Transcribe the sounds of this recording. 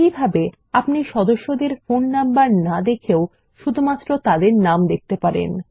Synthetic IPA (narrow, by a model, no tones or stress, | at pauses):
ibʱabe | apniʃɔd̪oʃːod̪eɾfonːambaɾnad̪ekʰeo | ʃud̪ʱumat̪ːɾot̪ad̪eɾnamd̪ek̚ʰt̪epaɾḛn